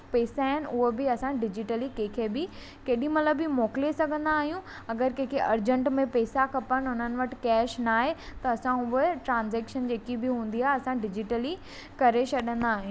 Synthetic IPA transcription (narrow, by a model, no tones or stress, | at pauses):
peːsaːɦɪnɪ̆ʊɦobɪɐsãɖɪd͡ʑɪʈəlikɐ̃ɦɪ̃kʰebɪ | keːɗĩmɐt̪ləbːɪmoːkɪlesɐɡʱə̃nd̪aːɦijũ | ɐɡəɾkɐ̃ɦɪ̃kʰeʔɐɾd͡ʑə̃ɳʈmẽpeːsakɐpəɽ̃ʊn̤ənɪ̆ʋɐʈɪ̥̆kɛːʃnaːɦet̪ɐɐsãʊɦʈɾãːnzɛːkʃənd͡ʑeːkibɪɦũːnd̪iaːɦeɐsãɖɪd͡ʑɪʈəli | kɐɾet͡ɕɐɗə̃nd̪aːɦɪĩ